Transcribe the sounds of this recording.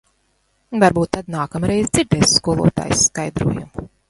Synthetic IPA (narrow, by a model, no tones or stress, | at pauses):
vaɾbuːt̪ːad̪naːkamɾɛjzd̪z̥ʲiɾd̪ɛːsskuɔlˠṵɔt̪a̰ːjsːkajd̪ɾṵɔjṵm